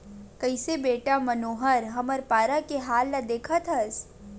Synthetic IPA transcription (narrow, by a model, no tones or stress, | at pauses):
kɐɪsebeːʈamɐnoːɦəɾɦɐməɾpaːɾakeɦaːlːad̪eːkʰət̪ʰɦɐs